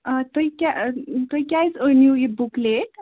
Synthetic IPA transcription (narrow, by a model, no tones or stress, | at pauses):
ət̪oikat̪ojkʲjajt͡sənjuibukleʈ